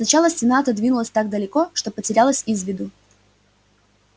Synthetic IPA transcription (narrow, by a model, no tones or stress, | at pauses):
snɐt͡ɕalˠəsʲtʲɪnat̪əd̪vʲinʊlˠəsʲt̪aɡ̚d̪əlʲɪko̞ʂt̪opətʲɪɾʲalˠəsʲizvʲɪd̪ʊ